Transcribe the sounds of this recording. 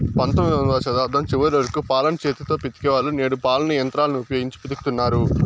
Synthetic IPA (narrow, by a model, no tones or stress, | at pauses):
pɐnt̪omid̪ɐnʋat͡ʃɐd̪aːd̪ʱɐmt͡ʃiʋɐɾiʋɐɾɐkupaːlɐnt͡ʃeːt̪it̪o̞ːpit̪i̥kɛʋaːlːuneːɽupaːlɐnujɐnt̪ɾaːlɐniupɐjoːɡiɲt͡ʃi̥pid̪ukut̪unːaːɾu